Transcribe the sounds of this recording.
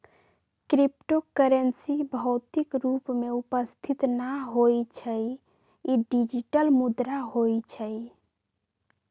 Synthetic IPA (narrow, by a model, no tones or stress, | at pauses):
kɾipʈokəɾənsibʱəʊt̪ikɾupmeupəst̪ʰit̪naɦojt͡ʃʰəj | iɖid͡ʒiʈəlmud̪ɾaɦojt͡ʃʰəj